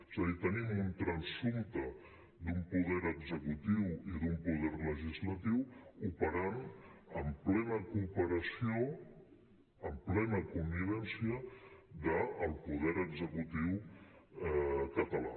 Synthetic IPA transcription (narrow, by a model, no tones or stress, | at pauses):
ez̥əðit̪ənimunt̪ɾənsumt̪ə | d̪umpuðɛɾəɡzəkut̪iwiðumpuð̞ɛrləʒizlət̪iwupəɾanəmplɛnəkuːpəɾəsio | əmplɛnəkumbiβ̞ɛnsiəðəːlˠpuðɛɾəɡzəkut̪iw | ɛkət̪əla̰